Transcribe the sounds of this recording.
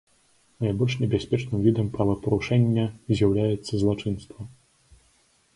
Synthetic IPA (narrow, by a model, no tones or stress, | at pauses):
najbɔlʲʂnʲɛbʲasʲpʲɛt͡ʂnɨmvʲid̪ɐmpɾɐvɐpɐɾuʂɛnʲːɐzʲjawlʲajɛt̪sːɐzlˠat͡ʂɨnst̪vɐ